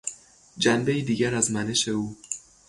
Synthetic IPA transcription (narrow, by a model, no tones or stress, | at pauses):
d͡ʒænbe̞jid̪iːɟæɾæzmæneʃe̞uː